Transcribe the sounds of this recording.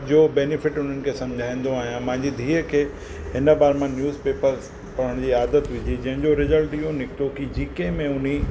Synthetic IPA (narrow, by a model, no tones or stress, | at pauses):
d͡ʑoːbɛːnɪfɪʈʊn̤ənɪ̆kʰesɐ̃md͡ʑʱaːĩːn̆d̪oaːɦijãmɐ̃ɦɪ̃ɲd͡ʑid̪ʱiːəkʰeː | ɦɪnə̆baːɾemãnjuːzpeːpəɾz | pɐɾ̤əɽ̃d͡ʑiːaːd̪ət̪ʋɪd͡ʑid͡ʑɐ̃ɦɪ̃ɲd͡ʑoɾɪzəlʈijõnɪkʰt̪okid͡ʑiːkẽmẽʊn̤i